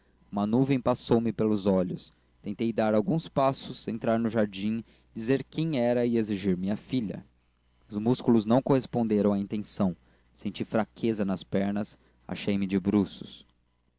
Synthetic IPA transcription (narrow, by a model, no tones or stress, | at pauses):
umɐnuvẽj̃pasowmɪpelʊzɔʎʊs | t̪ẽnt̪ejd̪aɾawɡũspasʊsẽnt̪ɾaɾnʊʒaɾd͡ʒĩ | d͡ʒizeɾkẽj̃ɛɾɐieziʒiɾmĩɲɐfiʎɐ̰ | ʊzmuskulʊznɐ̃w̃kohespõnd̪eɾɐ̃w̃aĩnt̪ẽsɐ̃w̃ | sẽnt͡ʃifɾakʰezɐnɐspɛɾnɐs | a̰ʃejmɪd͡ʒɪbɾusʊ̥s